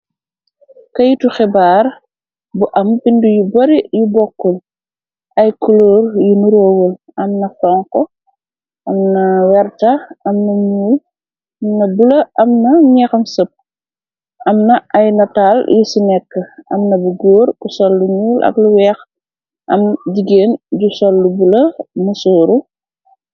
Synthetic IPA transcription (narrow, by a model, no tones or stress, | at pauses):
kɐjituxɛbaːr | buʔɐmpindujubɐɾijubɔkːɔl | ɐjkuloːrjunuɾoːwəl | ɐmnɐfɔŋkɔ | ʔɐmnɐwɛrtɐɐmnɐɲuːl | ɐmnɐbulɐʔɐmnɐɲɛːxɐmsəp̚ | ɐmnɐɐjnɐtaːljusinɛkːəɐmnɐbuɡoːɾkusɔlːuɲuːlʔɐ̰kluwɛːx | ʔɐ̰mɟiɡeːnɟusɔlːubulɐmusɔːɾu